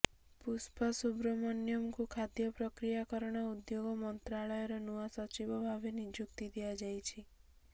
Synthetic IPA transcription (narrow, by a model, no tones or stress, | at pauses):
puspʰasubɾɔmɔnjɔmkukʰad̪jɔpɾɔkɾijakɔɾɔɽ̃ɔud̪joɡɔmɔnt̪ɾaɭɔjɔɾɔnuasɔt͡ʃibɔbʱabenid͡ʒukt̪id̪ijad͡ʒajt͡ʃʰi